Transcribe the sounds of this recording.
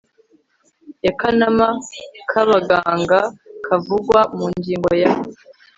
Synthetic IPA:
akanamakʰaβaɡaːŋɡakʰavuɡwamuːɲɟiːŋɡo̞jah

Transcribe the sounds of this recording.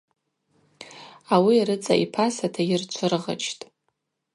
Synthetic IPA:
awiaɾɨt͡sʼa̰ʔipʰasatʰajɪrt͡ʃʷʰɨrʁa̰t͡ʃʰtʼ

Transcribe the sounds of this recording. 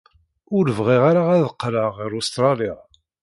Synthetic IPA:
ʊɾəvʁiʁaɾaʁæðəqːɾəʁːɪɾust̪ɾˤɑliʁ

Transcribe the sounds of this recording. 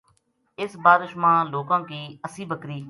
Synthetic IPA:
ɪsbaːɾɪʃmãːloːkãːkiːəsĩːbʱəkɾiː

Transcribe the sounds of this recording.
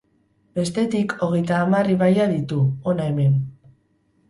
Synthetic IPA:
be̞st̪e̞t̪ikʰo̞ɣe̞jt̪aːmariβajaðit̪uonaeme̞n

